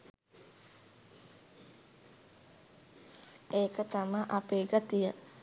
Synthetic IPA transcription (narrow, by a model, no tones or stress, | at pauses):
ekət̪amaʔapeɡat̪ijə